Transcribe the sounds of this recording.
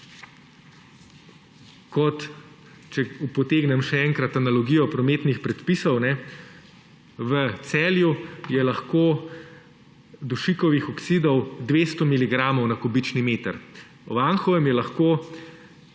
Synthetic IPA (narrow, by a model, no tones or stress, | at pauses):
kɔt̪ | t͡ʃɛupɔt̪eːɡnɛmʃɛɛŋkɾat̪analɔɡijɔpɾɔmeːt̪nixpɾɛt̪pisɔwnɛ | ʋət̪sɛːljujɛlɐxkoː | d̪uʃikɔʋixɔksid̪ɔwd̪ʋeːst̪ɔmiliɡɾaːmɔwnakɔbit͡ʃnimeːt̪ə̰ɾ | ɔʋaŋxɔʋɛmjɛlɐxkoː